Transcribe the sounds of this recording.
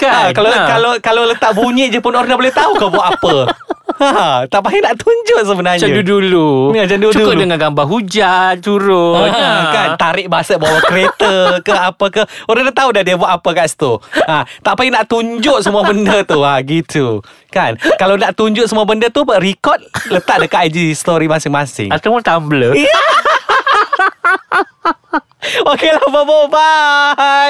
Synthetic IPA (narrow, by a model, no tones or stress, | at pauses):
kaakalakalokalolət̪aʔbuɲɪʔd͡ʒəpʊnoɾanabolɛht̪aukəbuwaʔapə | at̪aʔpainaʔt̪uɲd͡ʒʊʔsəbənarɲd͡ʒaədudulud͡ʒadut͡ʃukdəŋanɡambaɦud͡ʒant͡ʃuɾʊkant̪aɾɪʔ̚basət̪̚bawakəɾet̪əkəapəkəhoɾaŋdat̪audadiəbuaʔapəkaʔst̪uat̪aʔpainaʔt̪uɲd͡ʒʊʔsəmuabəndət̪uaɡit̪ʰu | kankalawnaʔt̪uɲd͡ʒʊʔsəmuabəndət̪ubərikɔt̪̚lət̪aʔ̚dəkaʔd͡ʒist̪oɾimasɪŋmasɪ̰ŋat̪əmʊnt̪ambləia | okelababoba